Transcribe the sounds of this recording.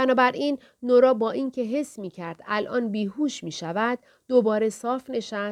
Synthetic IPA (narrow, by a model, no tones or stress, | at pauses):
bænɒːbæɾʔiːnː | oɾɒːbɒːʔincʰe̞ɦe̞sːmiːcʰæɾd̪̥ælʔɒ̰ːnbiːɦuːʃmiːʃævæd̪̥̚ːobɒːɾe̞sɒːfne̞ʃæs